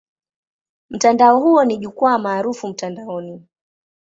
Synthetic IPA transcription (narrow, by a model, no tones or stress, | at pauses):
m̩tandaɔhuɔniʄukwuamaːɾufum̩tandaɔni